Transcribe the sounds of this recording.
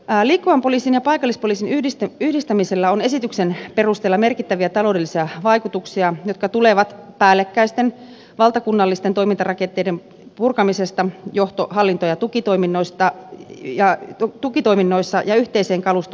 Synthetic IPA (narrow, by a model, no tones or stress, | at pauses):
liːkːuʋɑmpo̞liːsinjɑpɑikɑlːispoliːsinyhist̪yhdist̪æmiselːæone̞sit̪yksenpe̞rust̪eːlːɑmerkit̪ːæʋiæt̪ɑlo̞udelːisiæʋɑjkut̪uksiɑjot̪̚kɑt̪uleʋɑt̪pæːlːekːæist̪en | ʋɑlt̪ɑkunːɑlːist̪ent̪oimint̪ɑrɑkent̪ːˑeijdem | purkɑmisest̪ɑjoht̪oɦɑlːint̪ojɑt̪ukit̪o̞jminːo̞ist̪ɑjɑt̪ukit̪o̞iminːo̞isːɑjɑyht̪eise̞ːŋkɑlust̪